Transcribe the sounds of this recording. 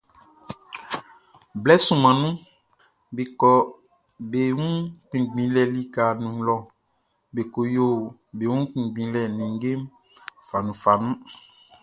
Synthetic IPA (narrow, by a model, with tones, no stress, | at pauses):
blɛ˦sũ˨mã˨nũ˦ | be˨kɔ˨ | be˨wũ˦k͡pĩ˨ɡ͡bĩ˨˦lɛ˨li˦ka˨nũ˨˦lɔ˨ | be˨ko˨jo˦˨be˨wũ˦k͡pĩ˨ɡ͡bĩ˨˦lɛ˨nĩ˨ŋ˦ɡe˦m | fa˨nũ˨fa˨nũ˦